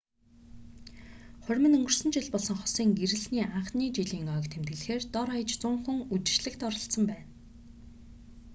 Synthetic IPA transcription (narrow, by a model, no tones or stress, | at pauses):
χʊɾʲmɘ̆nɵŋɡɵ̆r̥sɵ̆nt͡ɕɪɮpɔɮsɞ̆ŋχɔ̥siːŋɡeɾɘ̆ɮniːʔaɴχniːt͡ɕiɮiːŋœːkt̪ʰemt̪̚ɡɘ̆ɮxeːrt̪ɔɾaj̆t͡ɕt͡sʊŋχɵ̆ŋut͡ɕ̪ɪ̥̆t͡ɕɮɘ̆kt̪ɔɾɞ̆ɬsə̆mpæːn